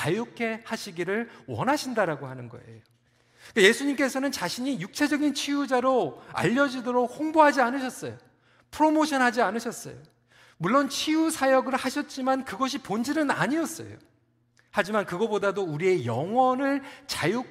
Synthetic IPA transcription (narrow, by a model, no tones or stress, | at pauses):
t͡ɕajukʰe̞haɕʰiɡiɾɯɭwʌnɦaɕʰindaɾaɡohanɯnɡʌ̰e̞̰jo | k͈aje̞sʰuɲimk͈e̞sʰʌnɯnt͡ɕaɕʰiɲijuk̚t͡ɕʰed͡ʑʌɡint͡ɕʰiud͡ʑaɾoa̰ʎːʌd͡ʑidoɾok̚hoŋboɦad͡ʑianɯɕ̬ʰʌs͈ʌ̰jo | pʰɯɾomoɕʰʌnɦad͡ʑianɯɕʰʌs͈ʌ̰jo̰ | muɭːont͡ɕʰiusʰajʌɡɯɭhaɕʰʌt̚t͡ɕ͈imankɯɡʌɕ̬ʰipond͡ʑinɯna̰ɲiʌs͈ʌ̰jo̰ | had͡ʑimankɯɡʌbodadouɾie̞jʌŋwʌnɯɭt͡ɕaju